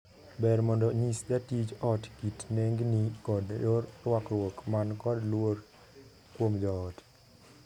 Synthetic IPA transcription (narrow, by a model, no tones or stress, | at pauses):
bɛɾmɔndɔɲisdatid͡ʒɔtkitneŋɡnikɔdjoɾwakɾwokmankɔdlwoɾ | kwomd͡ʒɔːt